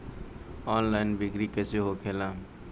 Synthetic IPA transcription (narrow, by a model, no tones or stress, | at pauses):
ɔːnlajɪnbɪkɾikəseɦokʰelãː